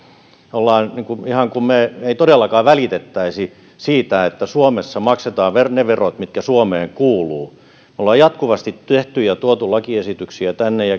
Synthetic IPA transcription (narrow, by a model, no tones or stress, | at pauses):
olːɑːnniŋkuihɑŋkummeeit̪odelːɑkɑːʋælit̪et̪ːæisi | siːt̪æet̪ːæsuomesːɑmɑkset̪ɑːʋʋerneʋerot̪mit̪kæsuomeːŋkuːluː | meolːɑːjɑt̪kuʋɑst̪it̪t̪eht̪yjɑt̪uot̪ulɑkiesit̪yksiæt̪ænːejɑ